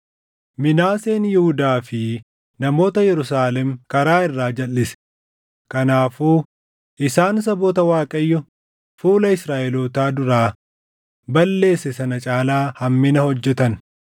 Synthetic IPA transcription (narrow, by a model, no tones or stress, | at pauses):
mɪnaːse̞ːnjɪhʊd̪aːfɪ | nɐmo̞ːt̪ɐjɛɾʊsaːlɛmkɐɾaːɪrːaːd͡ʒɐlːɪsɛ̥ | kɐnaːfuː | ʔɪsaːns̬ɐboːt̪ɐwaːkʼɐjːɔ | fuːlɐɪsɾaːʔɛloːt̪aːd̪ʊɾaː | bɐlːe̞ːsɛsɐnɐt͡ʃʼaːlaːhɐmːɪnɐhɔd͡ʒːɛt̪ɐn